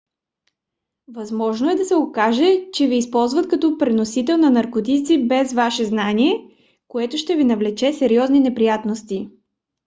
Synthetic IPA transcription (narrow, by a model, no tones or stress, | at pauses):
vɐzmɔʒnoɛd̪ɐsɛokaʒɛt͡ʃɛviːspɔlˠzvət̪kɐt̪ɔpɾɛnosit̪ɛlˠnɐnɐɾkot̪it̪sibɛzvaʃɛznaniɛ | koɛt̪oʃt̪ɛvinɐvlɛt͡ʃɛsɛɾiɔzninɛpɾijat̪nost̪i